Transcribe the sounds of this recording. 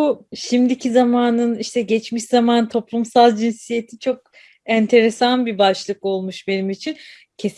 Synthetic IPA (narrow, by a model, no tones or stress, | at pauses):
uʃimd̪icʰizamaːnɯniʃt̪ʰɛɟɛt͡ʃmiʃzamant̪ʰo̞plˠumsalˠd͡ʒinsije̞t̪ʰit͡ʃʰo̞k̚ | ænt̪ʰe̞ɾe̞sanbibaʃlˠɯko̞lˠmuʃbe̞nimit͡ʃʰin | cʰe̞s